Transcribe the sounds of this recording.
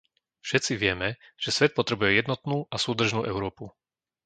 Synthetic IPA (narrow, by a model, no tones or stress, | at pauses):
fʃɛt̪t͡siʋɪɛmɛʒ̥ɛsʋɛt̪̚pɔt̪ɾɛbujɛjɛd̪nɔt̪nuːʔasuːd̪r̩ʒnuːʔɛʊɾɔːpu